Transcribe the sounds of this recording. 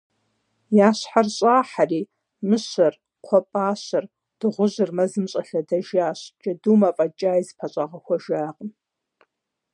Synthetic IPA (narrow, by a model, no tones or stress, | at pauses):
jaːɕħarɕʼaːħariː | mɨɕɐr | qʷʰɔpʼaːɕɐr | d̥ɨʁʷʊʑɨrmɐzɨmɕʼɐɬɐdɐʒaːɕd͡ʒʼɐduːmaːpʼɐd͡ʒʼaːjzpʰɐɕʼaʁɐxʷɐʒaːqʼən